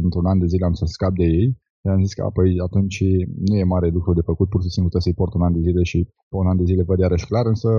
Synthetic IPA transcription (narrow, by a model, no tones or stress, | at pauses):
ɨnt̪ɾunand̪e̞zile̞amsəskap̚d̪e̞je̞j | ʃeamziskə̰a̰pojat̪unt͡ʃnuje̞maɾe̞lukɾud̪e̞fəkut̪̚purʃisimplut̪esəjport̪unand̪e̞zile̞ʃi | peunand̪e̞zile̞vəd̪jaɾəʃklaɾɨnsə